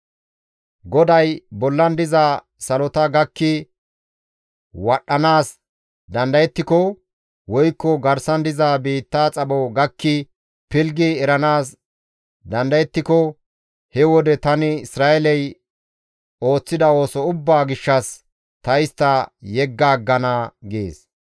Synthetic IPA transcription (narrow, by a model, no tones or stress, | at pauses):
ɡɔd̪ɐjbɔlːɐnd̪ɪza | sɐlɔt̪ɐɡɐkːɪ | wɐɗːɐnaːs | d̪ɐnd̪ɐjɛt̪ːɪkɔ | wɔjkːɔɡɐɾsɐnd̪ɪzaːbiːt̪ːaːt͡sʼɐbɔɡɐkːɪ | pɪlɡɪɛɾɐnaːs | d̪ɐnd̪ɐjɛt̪ːɪkɔ | hɛwɔd̪ɛt̪ɐnɪɪsɾaːɛlɛj | o̞ːt͡sːɪd̪ɐo̞ːsɔʊbːaːɡɪʃːɐs | t̪ɐjɪst̪ːɐjɛɡːaːɡːɐnaɡḛːs